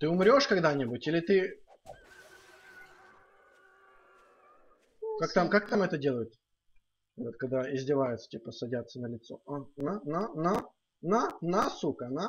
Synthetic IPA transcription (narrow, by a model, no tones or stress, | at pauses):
t̪ɨʊmɾʲo̞ʂkɐɡd̪anʲɪbʊtʲilʲɪt̪ɨ | kakt̪amkak̚t̪amɛt̪ədʲe̞lˠəjʊt̪̚ | ɛd̪ət̪̚kɐɡ̚d̪aɪzʲdʲɪvajʊt̪sə̥tʲipəsɐdʲat̪sːənəlʲɪt̪so̞̰ananana | nanasukəna